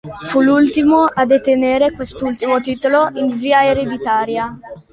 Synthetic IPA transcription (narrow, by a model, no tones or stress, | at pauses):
fulult̪imoʔad̪et̪eneːɾekwest̪ult̪imot̪iːt̪oloʔinviːaeɾed̪it̪aːɾja